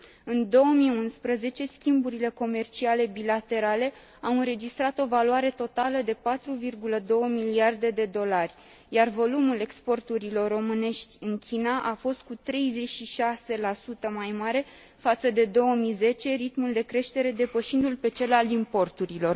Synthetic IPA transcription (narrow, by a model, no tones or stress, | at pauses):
ɨnd̪o̞wəmiunspɾəze̞t͡ʃe̞skʲimbuɾile̞ko̞me̞rt͡ʃiale̞bilat̪e̞ɾale̞ | awɨnɾe̞d͡ʒist̪ɾat̪o̞valuaɾe̞t̪o̞t̪aləd̪e̞pat̪ɾuvirɡuləd̪o̞wəmiliard̪e̞d̪e̞d̪o̞larʲ | jarvo̞lumule̞kspo̞rt̪uɾilo̞rːo̞mɨne̞ʃt̪ʲɨnkʲʰinaʔafo̞st̪̚kut̪ɾe̞jze̞t͡ʃʃiʃase̞lasut̪əmajmaɾe̞ | fat̪səd̪e̞d̪o̞wəmize̞t͡ʃe̞ɾit̪muld̪e̞kɾe̞ʃt̪e̞ɾe̞d̪e̞pəʃind̪ulpe̞t͡ʃe̞lalimpo̞rt̪uɾilo̞r